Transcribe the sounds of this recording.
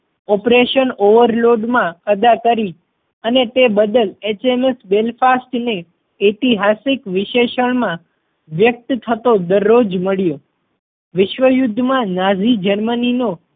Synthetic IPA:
ɔpɾeʃənoʋəɾloɖmãkəd̪akəɾi | ənet̪ebəd̪əlet͡ʃemesbelfasʈne | et̪iɦasɪkʋɪʃeʃəɳmã | ʋjək̚t̪t̪ʰət̪od̪əɾːod͡ʒməɭjo | ʋɪʃʋəjʊd̪ʱːmãnad͡ʒid͡ʒəɾmənino

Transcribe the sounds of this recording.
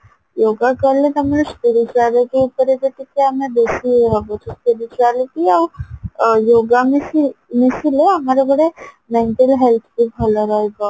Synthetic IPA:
joːɡakəɾlet̪ɔɦɐmaɾespɪɾɪt͡ʃuaːliʈupəɾed̪et̪ikeɦɐmed̪oːsibət͡ʃspɪɾɪt͡ʃuaːliʈiɔːɾ | joːɡamemesileɦɐmaːɾebɐɽe | mɛ̃ɳʈəlɦɛlt̪ʰbibʱɐlaɾaeɡa

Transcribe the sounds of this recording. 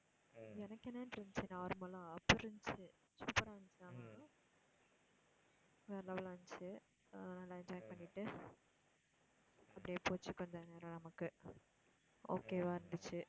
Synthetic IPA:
ɛnɐkːɛnːɐnɾɯnd̪t͡ʃːɯnaːʋɾɯmɐlãɐpːɐɾɾɯnt͡ʃɯ | suːpɐɾaːɲt͡ʃɯnaːmɐɯ | ʋeːlɐʋɐlaːɲt͡ʃɯ | nɐlːaːɪnd͡ʒajkpɐɳːɪʈːɯ | ɐpːɐɽijeːpoːt͡ʃːɯkːɔɲd͡ʒɐneːɾɐnɐmɐkːɯ | o̰ːkeːʋaːɪɾɯnd̪ɯt͡ʃːɯ

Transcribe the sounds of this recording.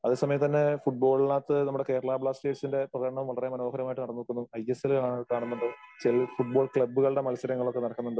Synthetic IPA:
ɐðeːsɐmɐjɐmt̪ɐnːe̞fuʈ̚bo̞ːɭlaːt̪ːɨnɐmːuɽekeːɾɐɭaːbɭaːsʈe̞ːɖsinde̞prɐɣɐɽɐɳɐʋumʋɐɭɐremɐno̞ːɦɐɾjɐmaːjiʈːɨnɐɽɐnːoɭkːunːuɐjeselkaːɳunːuɳɖɨt͡ɕilfuʈ̚bo̞ːɭkɭɐbːuɣɐɭɽe̞mɐlɐsɐɾɐŋːɐɭo̞kːenɐɽɐkːunːuɳɖɨ

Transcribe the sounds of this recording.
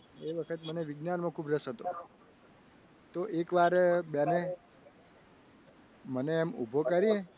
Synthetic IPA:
eʋəkʰət̪məneʋɪɡnanmãkʰubɾəsɦət̪o | t̪oʔekʋaɾbjane | məneːmṵbʱokəɾie

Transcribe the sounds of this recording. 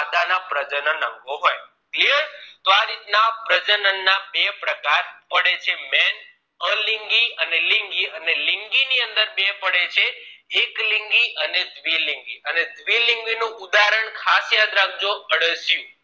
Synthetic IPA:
ad̪anapɾəd͡ʒənənə̃ŋɡoɦɔj | kliəɾt̪oaɾit̪napɾəd͡ʒənənːabepɾəkaɾpəɽet͡ʃʰemɛn | əliŋɡiənelɪŋɡiənelɪŋɡiniə̃nd̪əɾbepəɽet͡ʃʰeːkliŋɡiʔəned̪ʋilĩŋɡiəned̪ʋiliŋɡʋinũud̪aɾəɳkʰasjad̪ɾaɡ̚d͡ʒoəɽəsjũ

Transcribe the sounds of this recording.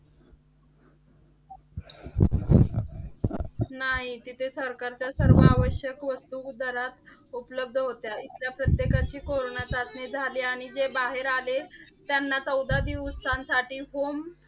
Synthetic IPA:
naɦit̪it̪ʰesəɾkaɾt͡ɕjasəɾʋəaʋəɕjəkʋəst̪ud̪ʱəɾat̪ | upləb̚d̪ʱəɦot̪jait̪ljapɾət̪jekat͡ɕiːkoɾoɳjat͡sat̪ned͡zʱaliaɽ̃id͡zebaɦeɾalet̪janːat͡səwd̪ad̪iːʋssansaʈiːɦom

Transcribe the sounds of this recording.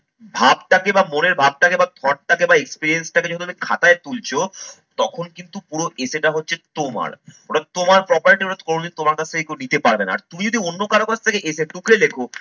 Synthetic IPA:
bʱabʈakebamoneɾbʱab̚ʈakebat̪ʰɔʈ̚ʈakebaekspiɾiensʈaked͡ʑɔoumikʰa̰t̪aet̪ult͡ɕʰo | t̪ɔkʰonkint̪upuɾoʔeseʈaɦotːɕʰet̪oma̰ɾoʈad̚t̪omaɾpɾɔpaɾiʈioʈat̪ʰkoɾonoit̪omaɾkat͡ɕʰt̪ʰekekunit̪epaɾbena̰a̰ɾt̪umid͡ʑod̪ʱionːokaɾokat͡ɕʰt̪ʰekeʔeseʈukʰɾelekʰo

